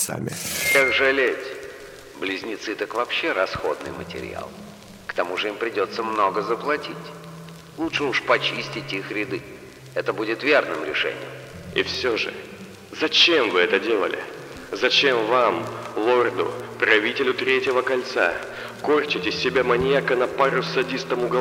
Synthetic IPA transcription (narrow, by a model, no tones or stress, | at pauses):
sa̰mʲɪ̰akʐɨlʲetʲ | blʲɪzʲnʲɪt̪sɨt̪akvɐpɕːeɾɐsxo̞̰d̪nɨ̰jmə̰tʲɪ̰ɾʲɪ̰a̰lˠ | kt̪ɐmuʐɨimpɾʲɪdʲo̞t̪sːəmno̞ɡəzəplˠɐtʲitʲ | lˠutʂɨuʂpɐt͡ɕisʲtʲɪtʲixɾʲɪd̪ɨ | ɛt̪əbudʲɪt̪vʲe̞rnɨmɾʲɪ̰ʂɛ̰nʲɪ̰jʊ̰m | ḭfsʲoʐɨ̰ | zɐt͡ɕemvɨɛt̪ədʲe̞lˠə̰lʲɪ̰ | zɐt͡ɕe̞mvamlˠord̪ʊ̰pɾɐvʲitʲɪlʲʊt̪ɾʲetʲɪvəkɐlʲt̪sa̰ | korʲt͡ɕɪtʲɪsʲːɪbʲamɐnʲɪjakənɐpaɾʊsɐdʲist̪əmʊɡ